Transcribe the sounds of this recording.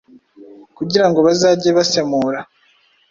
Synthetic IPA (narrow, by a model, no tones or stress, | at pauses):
kuɟiɾaŋɡo̞βazaːɟeβase̞muɾa